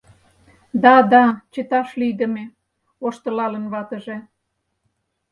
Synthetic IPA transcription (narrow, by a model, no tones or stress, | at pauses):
d̪ɑd̪ɑt͡ɕə̆t̪ɑʃlyd̪ə̆me | oʃt̪ə̆lɑlə̆nβɑt̪ə̆ʒĕ